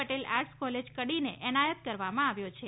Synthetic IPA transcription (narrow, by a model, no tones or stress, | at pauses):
əʈelaɾskɔled͡ʒkəɽinḛʔɛñajət̪̚kəɾʋamãaʋjot͡ʃʰe